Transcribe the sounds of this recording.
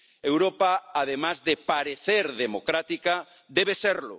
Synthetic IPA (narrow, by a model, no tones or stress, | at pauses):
ewɾopaːðemazðepaɾeθeɾðemokɾat̪ika | d̪ɛβeseɾlʊ̰